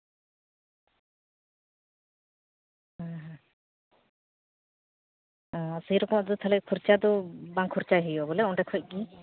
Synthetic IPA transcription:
ɦãɦ | ɔ̃səɦiɾɔkɔmɔd̪ut̪ʰalɛkʰuɾt͡ʃad̪ɔbaŋkʰuɾt͡ʃaɦijɔbɔlɛuɳʈɛkʰɔc̚ˀki

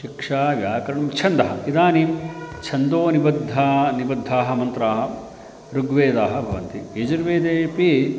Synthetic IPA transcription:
ʃikʂaːʋjaːkɐɾɐɳɐmt͡ʃʰɐnd̪ɐɦɐ̰id̪aːnimt͡ʃʰɐnd̪oːnibɐd̪ʱːanibɐd̪ʱːaːɦɐ̆mɐnt̪ɾaːɦɐ̆ | ɾuɡʋeːd̪aːɦɐ̆bʱɐʋɐnt̪ieːd͡ʒɐɾʋeːd̪eːpi

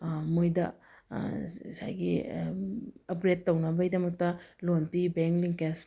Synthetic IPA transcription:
mojdɐ̰ | sa̰jɡḭ | ɐpɾetːownɐbɐɡidɐmɐk̚tɐlonpibeŋkliŋkes

